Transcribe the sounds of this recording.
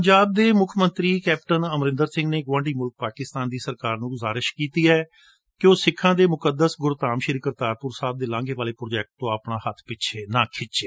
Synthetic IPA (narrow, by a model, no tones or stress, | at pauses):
pəɲd͡ʒaːb̚d̪eːmʊkʰmənt̪ɾiːkɛːp̚ʈənəmɾɪ̃nd̪əɾsɪ̃ŋɡneːɡʋãːɳɖiːmʊlk̚paːkɪst̪aːnd̪iːsəɾkaːɾnũːɡʊzaːɾɪʃkiːt̪iːɛː | kɪoːsɪkʰːãːd̪eːmʊkəd̪əsɡʊɾt̪aːmʃɪɾɪkəɾt̪aːɾpʊɾsaːb̚d̪eːlãːŋɡeːʋaːleːpɾoːd͡ʒɛːk̚ʈt̪õːapnaːhət̪ʰpɪt͡ʃʰeːnãːkʰɪt͡ʃeː